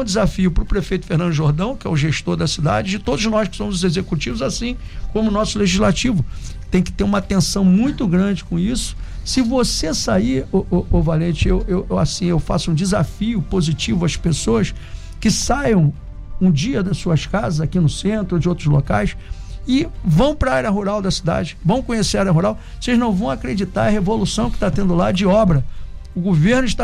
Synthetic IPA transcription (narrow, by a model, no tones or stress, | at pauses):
d͡ʒɪzafiʊpɾʊpɾefejt̪ʊfehnɐ̃nd̪ʊʒoɾd̪ɐ̃w̃kɪɛ̰ʊʒeʃt̪oɾd̪ɐsid̪a̰d͡ʒɪd͡ʒɪt̪od̪ʊznɔjskɪ̥sõmʊzʊzezekut͡ʃivʊzasĩ | kõmʊnɔsʊleʒizlat͡ʃivʊt̪ẽj̃kɪ̥t̪eɾũmɐat̪ẽsɐ̃w̃mũj̃t̪ʊɡɾɐ̃d͡ʒɪkõisʊ̥sɪvosesaiɾoʔoʔovalẽt͡ʃɪewewewasĩewfa̰sʊũd͡ʒɪzafiʊpozit͡ʃivʊɐspesoɐs | kɪsajɐ̃w̃ | ũd͡ʒiɐd̪ɐssuɐskazɐzakinʊsẽnt̪ɾod͡ʒɪowt̪ɾʊzlo̰ka̰jsɪvɐ̃w̃pɾɐaɾjɐɦuɾawd̪ɐsid̪a̰d͡ʒɪvɐ̃w̃kõɲeseaaɾɐɦuɾaw | osejʒnɐ̃w̃vɐ̃w̃akɾed͡ʒit̪a̰ɾɐhevolusɐ̃w̃kɪ̥t̪at̪ẽnd̪ʊlad͡ʒɪɔbɾɐ | ʊɡoveɾnʊɪʃt̪a